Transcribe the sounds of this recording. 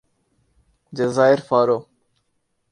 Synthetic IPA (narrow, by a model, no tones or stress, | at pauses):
d͡ʒezaːɪɾfaːɾoː